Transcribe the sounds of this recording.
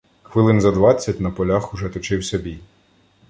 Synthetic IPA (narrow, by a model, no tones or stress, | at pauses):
xʋɪlˠɪnzɐd̪ʋɑt͡sʲːɐtʲnɐpɔlʲaxʊʒɛt̪ɔt͡ʃɪwsʲɐbʲij